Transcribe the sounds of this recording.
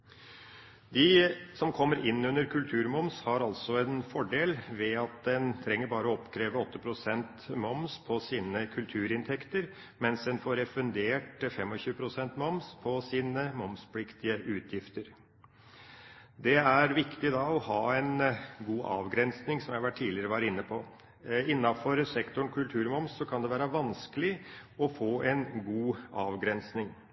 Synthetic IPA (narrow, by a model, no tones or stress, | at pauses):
d̪ɪsɔmkʰɔmːəɾʔɪnːʉnːəɾkʰʉlt̪ʰʉːɾmɔmshɑɾɑlsɔɛnfɔɖeːlʋɛɑt̪̚d̪ɛnt̪ʰɾɛŋːəɾbɑːɾəɔɔpkʰɾeːʋəɔt̪ːəpʰɾʊsɛnt̪mɔmspʰɔsiːnəkʰʉlt̪ʰʉːɾɪnt̪ʰɛkt̪əɾ | mɛnsd̪ɛnfoːɾɛfʉnd̪eːʈfɛmːɔɕʉːəpʰɾʊsɛnt̪mɔmspʰɔsiːnəmɔmspʰlɪkt̪ɪəʔʉːt̪ʰjɪft̪əɾ | d̪ɛæɾʋɪkt̪ɪd̪ɑːɔhɑːɛnɡuːʔɑ̰ːʋɡɾɛnsnɪŋsɔmjæhɑʋæʈʰːiːlɪəɾəʋɑːɾɪnːəpʰɔ | ɪnːɑfɔɾsɛkt̪ʊɳkʰʉlt̪ʰʉːɾmɔmsːɔkʰɑnd̪ɛʋæːɾəʋɑnskəlɪɔfoːʔɛnɡuːɑːʋɡɾɛnsnɪŋ